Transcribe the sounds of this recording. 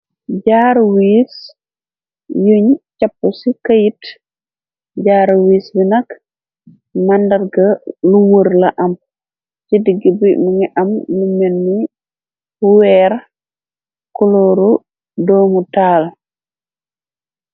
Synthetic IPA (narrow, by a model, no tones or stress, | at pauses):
ɟaɾwis | juɲt͡ʃapːusikajit | ɟaːɾwiːsbinɐk | mɐndɐɾɡɐluwəɾlɐʔɐm | t͡ʃidiɡibimuŋiʔɐmlumenːi | buwɛɾ | kuloɾu | dɔːmutaːl